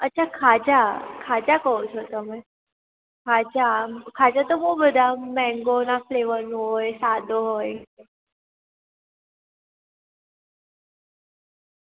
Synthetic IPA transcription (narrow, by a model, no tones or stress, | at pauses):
ətːt͡ɕʰakʰad͡ʑakʰad͡ʑakəut͡sot̪əmə | kʰad͡ʑakʰad͡ʑat̪omoɡbəd̪ʱamɛ̃ŋɡonafleʋənɦojsad̪ʱoɦoj